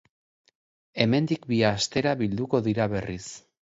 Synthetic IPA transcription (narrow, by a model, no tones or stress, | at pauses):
e̞me̞nd̪ikbiast̪e̞ɾaβild̪uko̞ðiɾaβe̞ris